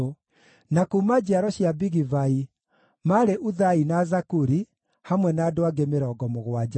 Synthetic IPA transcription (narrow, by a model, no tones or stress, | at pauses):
nakumad͡ʑaɾɔɕjabiɣivai | maɾeʔuðainazakuɾi | hamwɛnaːdoaɡemeɾɔɡɔmoɣwad͡ʑa